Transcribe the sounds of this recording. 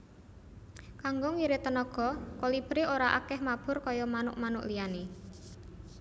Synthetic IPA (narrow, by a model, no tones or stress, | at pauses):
kaŋɡʊŋwiɾet̪ənɔɡ̥ɔ̤kolib̥ɾeoɾaʔa̰kɛhmab̥ʊ̤rkɔjɔmanʊʔmanʊ̰ʔliane